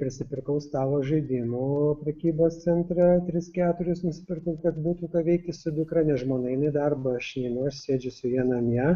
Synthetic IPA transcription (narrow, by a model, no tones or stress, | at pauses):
pʲɾʲɪsʲɪpʲɪɾkɐʊst̪ɑːʋoːʒɐɪd̪ʲɪmupʲɾʲɛkʲiːboːst̪sʲɛnʲt̪ʲɾʲɛt̪ʲɾʲɪskʲæːt̪ʊɾʲɪsnʊsʲɪ̥pʲɪrkɐʊkɐt̪buːt̪uːkɐʋʲɛɪk̚t̪ʲɪsʊd̪ʊkɾɐnʲɛʒmoːnɐɪɪnɐɪd̪ɐrbɐɐʃnʲɛɪnɐʊɐʃʲsʲeːd͡ʒʲʊsʊjiɛnɐmʲjɛ